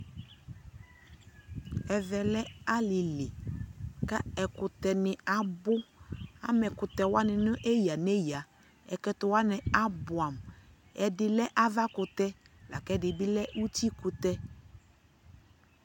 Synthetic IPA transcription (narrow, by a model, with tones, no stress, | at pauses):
ɛ˨vɛ˨lɛ˦a˦lɪ˨lɪ˨ka˦ɛ˨kʊ˨t̪ɛ˨nɪ˨a˨bʊ˦a̰˦mɛ˨kʊ˨t̪ɛ˨wa˦nɪ˨nʊ˦ʔe˦ji˨a˨ne˦ji˨a˨ | ɛ̰˨kɛ˦t̪ʊ˨wa˦nɪ˨a˦bʊ˨a˨m | ɛ˨dɪ˨lɛ˦ʔa˦va˦kʊ˨t̪ɛ˦ | la̰˨kɛ˦dɪ˨bɪ˦lɛ˦ʔu˦ti˦kʊ˨t̪ɛ˦